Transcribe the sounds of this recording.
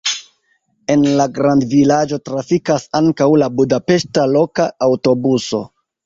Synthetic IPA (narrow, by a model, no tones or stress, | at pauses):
e̞nlaɡɾandvilad͡ʒo̞tɾafikasaŋkawlabudape̞ʃtalo̞kaːwto̞buso̞̰